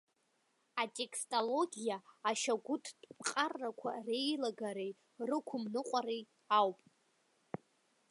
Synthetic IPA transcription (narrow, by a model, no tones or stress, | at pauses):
atʼe̞kʰstʼolo̞ɡʲijaːʃaɡʷʊtʰdʼqʼarːakʷʰa̰re̞jlaɡaɾej | rɨkʷʰʊmnɨqʷʼaɾej | awpʼ